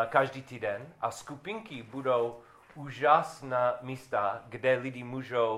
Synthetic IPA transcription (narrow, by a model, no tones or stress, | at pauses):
kaʒdit̪idɛnʔaskupiŋkibudow | uʒasnamist̪aɡdɛlidimuʒow